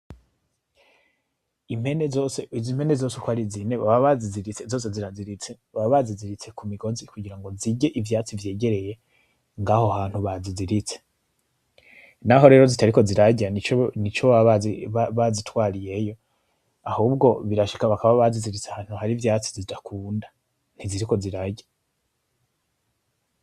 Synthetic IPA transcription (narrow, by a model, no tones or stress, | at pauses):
im̥he̞nezoseizimhe̞nezo̞sekwaɾizineβaβaβaziziɾit͡sezo̞ːs̬e̞ziɾaziɾit͡seβaβaβaziziɾit͡se̞kumiɡo̞zikuɟiɾaŋɡo̞ziɟeʔivjaːt͡sivje̞ːɟe̞ɾe̞je̞ | ŋɡaːho̞haːn̥huβaziziɾit͡se̥ | naɦo̞ɾe̞ːɾo̞zitaɾiko̞ziɾaɟanit͡ʃnit͡ʃo | βazitwaːɾije̞jo̞ | ahuːbɡo̞βiɾaʃi̥kaβakaβaβaziziɾit͡seahaːn̥huhaɾivjaːt͡sizidakʰuːnda | n̥iziɾiko̞ziɾaɟḁ